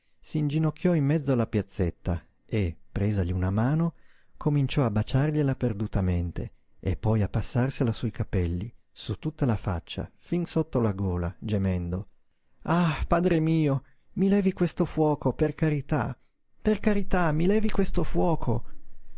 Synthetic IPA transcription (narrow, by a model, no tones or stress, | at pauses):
siːnd͡ʒinokʲːjɔimːɛd̪zoalːapjat̪sːet̪ːa | epːɾeːzaʎiunamaːno | kʰomint͡ʃɔabːat͡ʃarʎelaperd̪ut̪ament̪ḛ | ḛpːɔjapːasːarselasɔjkapɛlːi | sut̪ːut̪ːalafa̰t͡ʃːa̰finsot̪ːolaɡɔːlad͡ʒemɛnd̪o | apaːd̪ɾemiːo | milɛːvikwest̪ofwɔːkoperkaɾit̪a̰ | perkaɾit̪amilɛːvikwest̪ofwɔːkʰo